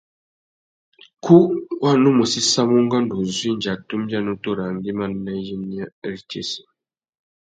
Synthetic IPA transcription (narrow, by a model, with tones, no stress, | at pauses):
kʰu˦wa˦˨nu˦mu˨si˦sa˦mu˦ŋɡa˦ndu˨zwi˦ɲd͡ʒa˨tu˦m˦bja˦˨no˦to˦˨ɾa˨ŋɡi˦ma˦nːa˦ji˦ni˦a˦ɛ˦˨ɾt͡ʃḛ˦˨si̥˨